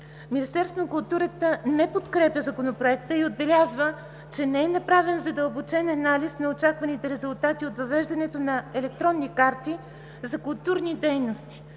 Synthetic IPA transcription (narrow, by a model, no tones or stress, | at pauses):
minist̪ɛɾst̪vonkʊlˠt̪uɾət̪ənɛpot̪kɾɛpʲjəzɐkonopɾoɛk̚t̪əiod̪̚bɛlʲazvə | t͡ʃɛnɛɛnɐpɾavɛnzɐd̪əlˠbot͡ʃɛnɐnalisnɐot͡ʃakvɐnit̪ɛɾɛzulˠt̪at̪iot̪vɐvɛʒd̪ɐnɛt̪onɐɛlɛk̚t̪ɾɔnːikaɾt̪i | zɐkʊlˠt̪uɾnid̪ɛjnost̪i̥